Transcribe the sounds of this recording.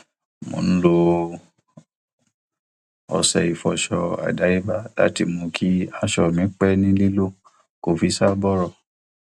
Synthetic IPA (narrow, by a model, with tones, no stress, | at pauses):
mõ̰˨˦n̩˦lo˧ | ɔ̰˨˧sɛ˧˨i˨fɔ˨ʃɔ˧a̰˨da˨˦i˦ba˦la̰˨˦ti˧˨mõ˧kʰi˦a˧ʃɔ˧˨mĩ˨˦k͡pɛ˦nĩ˦li˦lo˦˨ | ko˨fi˨˦sa˦bɔ˦ɾɔ˦˨